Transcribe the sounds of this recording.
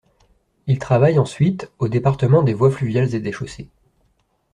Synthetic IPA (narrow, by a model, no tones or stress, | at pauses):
ilt̪χavajɑ̃sɥit̪od̪epaʁt̪əmɑ̃d̪evwaflyvjalzed̪eʃose